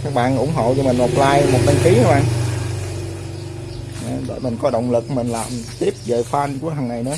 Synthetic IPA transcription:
kaː˦˥k̚ɓa̰ː˧˨nʔʊ̰˧˩ŋ͡mɦo̰˧˨t͡ɕɔ˧mï˨˩ŋ̟ʔo˨˩p̚laː˧jmo˨˩t̚ɓa˧nki˨˦haː˨˦ʔaː˧˩ŋ | ʔa˨˩ɓḛ˧˩jmï˨˩ŋ̟kɔ˨˦ɗə̰˧˨wŋ͡mlɨ˨˩k̚mï˨˩ŋ̟laː˨˩mt̪i˦˥əp̚ve˨˩faː˧nku˧˩əhɦaː˨˩nːa˨˩jɗɔ˨˦

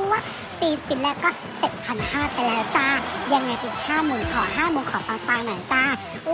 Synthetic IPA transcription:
waː˥˩ | t̪iː˧si˨˧˩nlɛː˦˥˩wkɔː˥˩ | t͡ɕe˨˩t̪̚pʰa˧nhaː˥˩t̪a˧jlɛː˦˥wt͡ɕaː˥˩ja˧ŋːa˧jt̪ʰiː˨˩k̚haː˥˩muː˧nkʰɔː˨˩˦ɦaː˥˩muː˧nkʰɔː˨˩˦p̪aː˧t̪aː˧naː˨˩˦t͡ɕaː˥˩

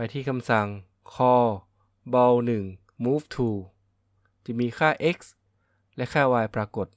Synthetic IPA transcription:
pa˧jt̪ʰiː˥˩kʰa˧msa˨˩ŋ | kʰɔː˧˩ | bɔ˧wnɯ˨˩ŋ | muː˦˥f̚t̪ʰuː˧˩ | t͡ɕiː˨˧˩miː˧kʰaː˥˩ʔe˦˥k̚s | lɛ˦˥kʰaː˥˩waː˧jpɾaː˧ko˨˩t̪̚

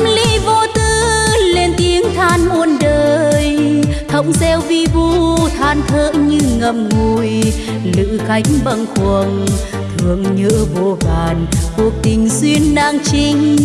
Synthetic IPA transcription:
mli˧˥vo˧˩t̪ɨ˧le˧nt̪i˨˦əŋt̪ʰaː˧nmʔu˧ənɗəː˨˩jt̪ʰə˧˦wŋ͡mzɛ˧wvi˧vu˧t̪ʰaː˧˩nt̪ʰəː˧˥ɲɨ˧ŋə˨˩m̚ŋu˧˩j | lɨ̰˧˨xa˨˦jŋ̟ɓə˧˩nxu˨˩əŋ | t̪ʰɨ˨˩əŋɲə̰ː˧˥vo˧˩vaː˨˩nku˨˩ək̚t̪ï˨˩ŋ̟swi˧ənɗaː˧ŋt͡ɕi˧ŋ̟

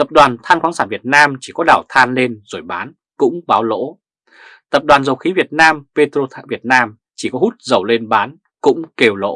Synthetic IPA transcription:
t̪ə˨˩p̚ɗwaː˨˩nt̪ʰaː˧nxwaː˨˦nsaː˧˩nvi˨˩ət̚naː˧mt͡ɕi˧˩kɔ˨˦ɗaː˧˩wt̪ʰaː˧nle˧nzo˧˩jɓaː˨˦n | kʊ̰˧˥ŋ͡mɓaː˨˦wlo̰˧˥ | t̪ə˨˩p̚ɗwaː˨˩nzə˨˩wxi˨˦vi˨˩ət̚naː˧mpe˧t̪ɾo˧t̪ʰːvi˨˩ət̚naː˧m | t͡ɕi˧˩kɔ˨˦hu˦˥t̚zə˨˩wle˧nɓaː˨˦n | kʊ̰˧˥ŋ͡mke˧˩wlo̰˧˥

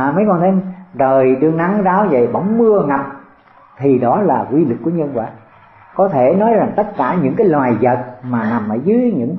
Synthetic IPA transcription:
mə˨˦jkɔ˧nt̪ʰe˨˦jzəː˨˩jɗɨ˧˩əŋna˧˩ŋzaː˨˦wzə̰˧˨jɓə̰˧˥˩wŋ͡mmɨ˧əŋa˨˩p̚ | t̪ʰi˨˩ɗɔ˨˦laː˨˩kwi˧lɨ˨˩kːu˧˩əɲə˧nkwa̰ː˧˨˩t̚ | kɔ˨˦t̪ʰe˧˩nɔ˨˦jza˨˩ŋt̪ə˦˥t̚kaː˧˩ɲɨ̰˧˥ŋkaː˨˦jlwaː˨˩jzə˨˩t̚maː˨˩na˨˩mʔəː˧˩zɨ˨˦ɲɨ̰˧˥ŋ

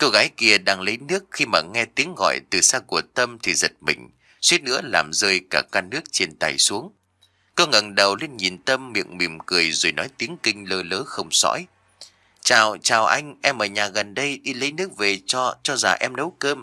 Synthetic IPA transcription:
ko˧wɣaː˨˦jki˧əɗaː˧ŋlə˨˦jnɨ˦˥ək̚xi˧maː˨˩ŋɛ˧t̪i˨˦əŋɣɔ̰˧˨jt̪ɨ˨˩saː˧ku˧˩ət̪ə˧mt̪ʰi˨˩zə˨˩t̚mï˨˩ŋ̟ | swi˦˥ət̚nɨ̰˧˥əla̰ː˨˩mzəː˧jkaː˧˩kaː˧nɨ˦˥ək̚t͡ɕe˧nt̪a̰ː˨˩jsu˨˦əŋ | kə˧ŋə˨˩nɗə˨˩wli˧ənɲi˨˩nt̪ə˧mːḭ˧˨əŋmi˨˩əmkɨ˨˩əjzo˨˩jnɔ˨˦jt̪i˨˦əŋkï˧ŋ̟ləː˧ləː˨˦xə˧wŋ͡msɔ̰˧˥j | t͡ɕaː˨˩wt͡ɕaː˨˩wʔa˧jŋ̟ʔɛ˧mʔəː˨˩ɲaː˨˩ɣə˨˩nɗə˧jɗi˧lə˨˦jnɨ˦˥ək̚ve˨˩t͡ɕɔ˧t͡ɕɔ˧za̰˨˩ʔɛ˧mnə˨˦wkəː˧m

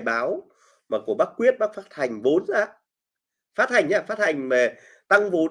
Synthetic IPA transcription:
jɓaː˨˦w | maː˨˩ku˧˩əɓaː˦˥k̚kwi˦˥ət̚ɓaː˦˥k̚faː˦˥t̚t̪ʰa˨˩jŋ̟vo˨˦nzaː˧˥ | faː˦˥t̚t̪ʰa˨˩jŋ̟ʔaː˨˧˨faː˦˥t̚tʰa˨˩jŋ̟ma˨˩ | t̪a˧ŋvo˨˦

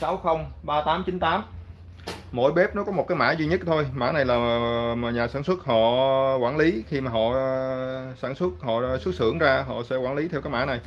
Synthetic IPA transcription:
saː˨˦wxə˧wŋ͡mɓaː˧t̪aː˨˦mt͡ɕi˨˦nt̪aː˨˦m | mo̰˧˩˨jɓɛ˦˥p̚nɔ˨˦kɔ˨˦mo˨˩kaː˨˦ma̰ː˧˥zi˧ɲə˦˥t̚t̪ʰo˧jma̰ː˧˥na˨˩jlaː˨˩˨ɲaː˨˩saː˧˩nswə˦˥t̚ɦɔ̰˧˨kwaː˧˩nli˨˦xi˧maː˨˩ɦɔ̰˧˨ | saː˧˩nswə˦˥t̚hɔ̰˧˨swə˦˥t̚sɨ̰˧˥˨əŋzaː˧ɦɔ̰˧˨sɛ̰˧˥kwaː˧˥˩nli˨˦t̪ʰɛ˧wkːaː˨˦jma̰ː˧˥na˨˩j

